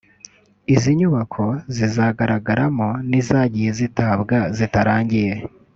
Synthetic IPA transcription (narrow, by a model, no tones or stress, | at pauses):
iziɲuβakʰo̞zizaɡaɾaɡaɾamonizaːɟije̞zitaːbɡazitaɾaːɲɟije̞